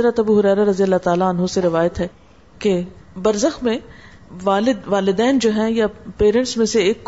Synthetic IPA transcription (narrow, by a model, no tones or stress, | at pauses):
ɾət̪ɐbuɦʊɾɛːɾaɾɐzijəlːat̪aːlaɐnɦõseɾɪʋaːjət̪ɦɛː | kebɐɾzəxmẽ | ʋaːlɪd̪ʋaːlɪd̪ɛːnd͡ʒoːɦɛ̃japeːɾə̃ɳʈsmẽseːkː